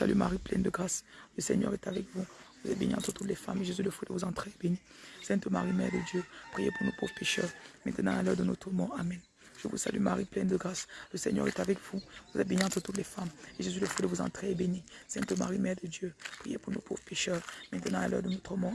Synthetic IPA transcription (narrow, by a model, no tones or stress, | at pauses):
sa̰lymaʁiplɛ̃nd̪əɡʁasləsɛ̰ɲœ̰ʁɛt̪avɛkvuvuzɛt̪̚beniɑ̃t̪χət̪ut̪lefa̰meʒəsɥiləfod̪əvuzɑ̃t̪χeebenisɛ̃t̪oma̰ʁimɛʁd̪əd̪jøpχijḛpuʁnopovʁpeʃœʁmɛ̃t̪ənɑ̃alœʁd̪ənɔt̪χəmɔʁamɛ̃n | ʒ̥əvṵsa̰lymaʁiplɛ̃nd̪əɡʁasləsɛ̰ɲœ̰ʁɛ̰t̪avɛkvuvuzɛt̪̚beniɑ̃t̪χət̪ut̪lefameʒəs̬ɥiləfwod̪əvuzɑ̰̃t̪χeebenisɛ̃t̪oma̰ʁimɛʁd̪əd̪jøpχijepuʁnopʰo̰vʁəpeʃœʁmɛ̃t̪ənɑ̃alœ̰ʁd̪ənot̪χəmɔ